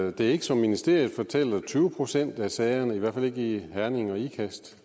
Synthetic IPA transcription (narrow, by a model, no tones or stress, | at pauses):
d̥e̝æɐe̝ɡ̥əsɒ̽mːinisd̥e̝ɐ̰jð̩ˠfɒ̽t͡sʰel̰ɐt͡sʰyːʊəpʰʁo̝sen̰d̥æsɛɪɐnəiʋæɐ̰fæle̝ɡ̥əihæɐne̝ŋɒ̽ikʰæsd̥